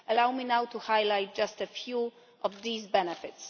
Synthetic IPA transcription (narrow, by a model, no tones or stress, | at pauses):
əlawminawtʰuhajlajt̚d͡ʒastəfju | ʔɔvðizbɛnɨfɪts